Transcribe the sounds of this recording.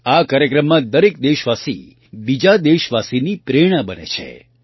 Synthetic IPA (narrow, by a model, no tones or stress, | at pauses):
akaɾjəkɾəmːãd̪əɾek̚d̪eʃʋasḭ | bid͡ʒad̪eʃʋasinipɾeɽ̃ãbənḛt͡ʃʰḛ